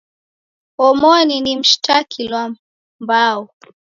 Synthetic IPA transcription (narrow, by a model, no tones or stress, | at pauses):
ɔmɔninim̩ʃtakʰilwa | mbaɔ